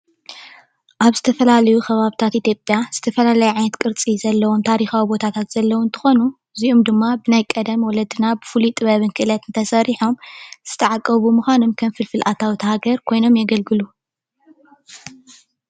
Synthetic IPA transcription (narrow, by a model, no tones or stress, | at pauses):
ʔaβzɨt̪ʰɐfɐlalɐjuxʰɐβaβt̪ʰat̪ʔit̪jopʼːjaz̥ɨt̪ʰɐfɐlalɐjuʕajnɐt̪kʼɨɾt͡sʼizɐlːɐwomt̪ʰaɾixawibo̞t̪ʰat̪ʰat̪z̥ɐlːɐwunt̪ʰɨ̥xo̞nu | ziʔomd̪ɨmːabɨnajkʼɐd̪ɐmwɔlɐd̪ɨnabɨfulit̪ʼɨβɐβɨnkʰɨʔɨlɐt̪ɨnt̪ʰɐsɐɾiħo̞mz̥ɨt̪ʰɐʕakʼːɐβumuxʷanomkʰɐmfɨlfɨlʔat̪ʰawit̪ʰɐhaɡɐɾkʰo̞jno̞mjɛɡɐlɡɨlu